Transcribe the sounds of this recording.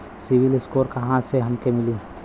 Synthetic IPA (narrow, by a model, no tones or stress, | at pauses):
sɪʋɪlɪskoːɾkɐɦãseɦɐmkemɪliː